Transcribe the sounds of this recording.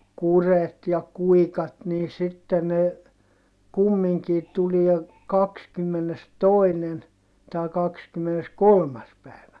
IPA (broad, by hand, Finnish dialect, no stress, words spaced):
kuret jɑ kuikɑt niː sitːe ne kumːiŋkiː tulie kɑkskymːenestoˑinen tɑˑi kɑkskymːeneskolmɑs pæˑi̯ʋæ